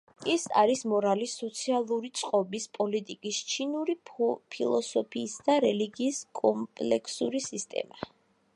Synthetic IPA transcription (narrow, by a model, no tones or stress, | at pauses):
isa̰ɾismɔɾalisɔt̪sʰialˠuɾit̪sʼqʼɔbispʼɔlit̪ʼikʼist͡ʃʰinuɾipʰilˠɔsɔpʰiːsd̪aɾɛliɡiːskʼɔmpʼlɛkʰsuɾisist̪ʼɛ̰ma